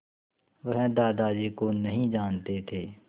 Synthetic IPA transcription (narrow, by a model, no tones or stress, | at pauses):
ʋəɦɛd̪aːd̪aːd͡ʒeːkoːnɐɦĩːd͡ʒaːnt̪et̪ʰeː